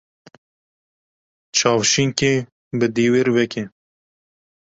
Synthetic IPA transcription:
t͡ʃʰɑːwʃiŋke | bɨd̪iːweɾvɛkʰe

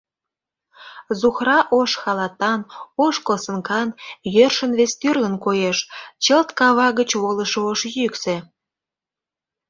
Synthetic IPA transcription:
zuxrɑʔoʃxɑlɑt̪ɑnoʃkosəŋkɑnjørʃənβest̪yrlənkojeʃt͡ɕəlt̪kɑβɑɣət͡ɕβoləʃooʃjykse

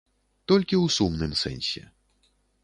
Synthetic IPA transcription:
t̪ɔlʲkʲiwsumnɨmsɛ̰nʲsʲɛ̰

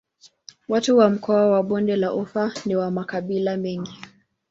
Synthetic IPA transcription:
watuwam̩kʰɔawaɓɔndɛlaʔufaniwamakaɓilamɛŋɡi

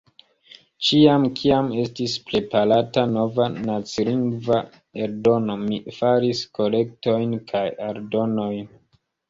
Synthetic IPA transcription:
t͡ʃiamkʰiame̞stispɾe̞paɾatano̞vanat͡siliŋɡva | eɾdo̞no̞mifaɾisko̞le̞k̚to̞jnkʰajaɾdo̞no̞jn

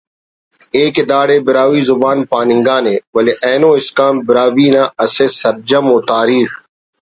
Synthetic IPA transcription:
eːked̪aːɽeːbɪɾaːwiːzʊbaːnpaːnɪ̃ŋɡaːneːwɐleʔeːnõːɪskaːmbɪɾaːwiːnãːɐsesɐɾd͡ʑɐmoːt̪aːɾiːx

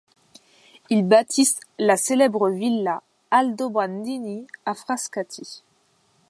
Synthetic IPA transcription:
ilbat̪ʰislaselɛbʁəvilːa | ald̪obʁand̪iniafχaskat̪ʰi

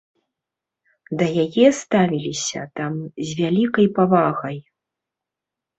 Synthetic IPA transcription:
d̪ɐjajɛst̪avʲilʲisʲɐ̰t̪amzʲvʲalʲikɐjpavaɣɐj

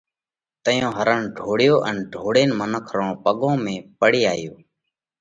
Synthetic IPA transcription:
t̪əjõːɦəɾənɖʱoːɽɪjoːʔənɖʱoːɽeːnmənəkʰɾõːpəɠõːmẽːpəɽiːaːjoː

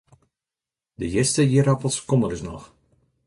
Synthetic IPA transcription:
dəjɪstəjiɾapəlˠskɔməlɪsnɔ̰x

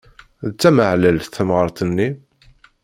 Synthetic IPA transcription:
ðt͡sːæməʕləlθθəmʁəɾˤt̪ənːi

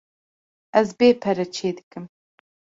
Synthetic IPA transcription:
ɛzbeːpʰɛɾɛt͡ʃʰeːd̪ɨkɨm

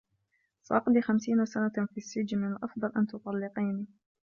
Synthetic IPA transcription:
sˤɑʔɑqd̪ixamsiːnasanafisːɪd͡ʒnɪnʔɑfd̪ˤɑlʔant̪ʊt̪ˤɑlːɪqiːni

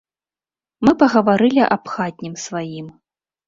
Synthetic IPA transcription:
mɨpɐɣɐvaɾɨlʲiʔɐpxad̪̚ʲnʲimsvajim

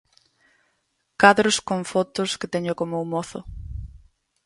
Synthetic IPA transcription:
kaðɾʊskoɱfot̪ʊskɪt̪ɛɲʊkomoumoθʊ̰

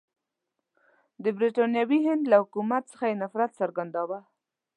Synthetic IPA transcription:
d̪əbɾiʈɑnjɑwiɦɪnd̪lahʊkumat̪sə̥xajenafɾat̪saɾɡand̪ɑwa

